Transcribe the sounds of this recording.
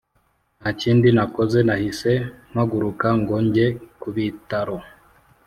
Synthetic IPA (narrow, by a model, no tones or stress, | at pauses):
nat͡ʃindinakɔzɛnahisɛmaɡuɾukaŋɡoɲɟɛkuβitaɾo